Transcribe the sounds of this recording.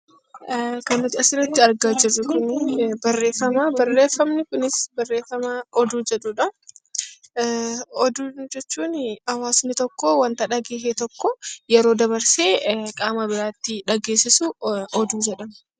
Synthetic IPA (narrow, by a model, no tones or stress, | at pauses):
kɐnːɐt̪ɪɐsɪɾɐt̪ːɪɐɾɡaːd͡ʒɪrːʊkʊnbɐrːe̞ːfːɐmaːbɐrːe̞ːfːɐmnɪkʊnɪsbɐrːe̞ːfːɐmaːɔd̪uːd͡ʒɛᶑuːᶑɐ | ɔd̪uːd͡ʒɛt͡ʃːuːnɐwaːsnɪt̪ɔkːowɐnt̪ɐᶑɐɡeːɦet̪ɔkːɔjɛɾoːd̪ɐβɐɾse̞ːkʼaːmɐbɪɾaːt̪ːɪᶑɐɡeːsɪsuɔd̪uːd͡ʒɛᶑɐm